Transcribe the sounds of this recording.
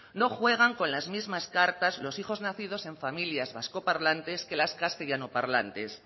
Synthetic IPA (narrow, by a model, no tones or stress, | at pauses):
no̞xwe̞ɣ̞aŋko̞nlazmizmaskaɾt̪azlo̞sixo̞znaθið̞o̞se̞ɱfamiljazβasko̞paɾlant̪e̞ske̞laskast̪eʝanopaɾlant̪e̞s